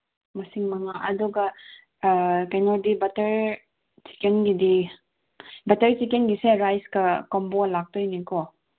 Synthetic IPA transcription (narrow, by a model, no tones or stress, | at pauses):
mɐsiŋmɐŋaʔɐduɡɐ | kajnɔdibɐtɐɾ | si̥kɛnɡidi | bɐtɐɾsikɛnɡiseɾajskɐkɔmbɔlak̚tɔjnikɔ